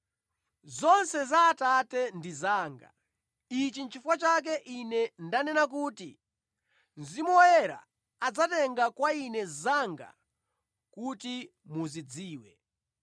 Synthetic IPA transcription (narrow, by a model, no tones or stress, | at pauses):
zɔnsɛzaːtatɛndizaːŋɡa̰ | it͡ʃint͡ʃʰifwat͡ʃak̬ɛʔinɛndanɛnak̬uːti | nzimɔjɛɾa̰ː | d͡zatɛŋɡakwainɛzaŋɡa̰ | kuti | muzid͡ziːwɛ